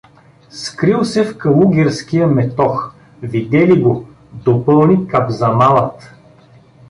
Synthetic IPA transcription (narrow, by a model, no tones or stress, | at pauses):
skɾilˠsɛfkɐlˠuɡʲɛɾskijəmɛt̪ɔx | vid̪ɛliɡo | d̪opɤlˠnikabzɐmalˠət̪